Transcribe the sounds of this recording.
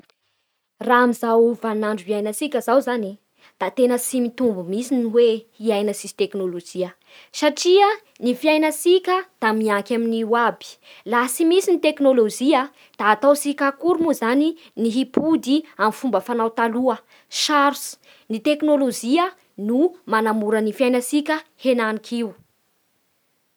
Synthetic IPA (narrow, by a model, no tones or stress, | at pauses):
raamizawvannaɳɖ͡ʐuviajnəsikʲəzawzani | d̪̥at̪enəsimit̪umbumisiniwehiajnəsisi̥t̪eknolod͡ʒiə | saʈ͡ʂiə | nifiajnəsikʲəd̪̥amiaŋkʲaminiwabi̥lasimisinit̪eknolod͡ʒiə | d̪̥aːt̪awsikakuɾmuzani | niɦipud̪iamfumbəfanawt̪aluə | ʃaɾs | nit̪eknolod͡ʒiə | numanamuɾənifajnəsikʲəhenanikʰiw